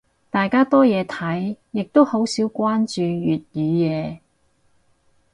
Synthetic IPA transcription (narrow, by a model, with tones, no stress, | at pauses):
t̪aː˨jkaː˥t̪ɔː˥jɛː˨˧t̪ʰɐ˨˥jjɪ˨k̚t̪o˥who˨˥wsiː˨˥wkʷaː˥nt͡ʃyː˨˧jyː˨t̚jyː˨˧jɛː˨˧